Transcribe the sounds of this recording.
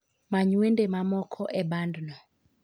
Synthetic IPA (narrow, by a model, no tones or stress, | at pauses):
maɲwendemamɔkʰɔʔɛbandnɔ